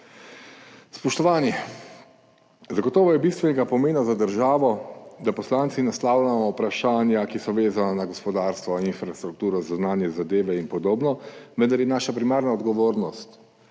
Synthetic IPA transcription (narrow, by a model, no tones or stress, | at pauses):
spɔʃt̪ɔʋaːnjɛ | zaɡɔt̪ɔːʋɔjɛbist̪ʋɛnɛɡapɔmeːnazad̪əɾʒaːʋɔd̪apɔslaːnt̪sinaslaːwlʲamɔwpɾaʃaːnjakisɔʋeːzananaɡɔspɔd̪aːɾst̪ʋɔinfɾast̪ɾuk̚t̪uːɾɔzawnaːnjɛzad̪eːʋɛinpɔd̪oːbnɔʋənd̪aɾjɛnaːʃapɾimaːɾnaɔd̪ɡɔʋoːɾnɔst̪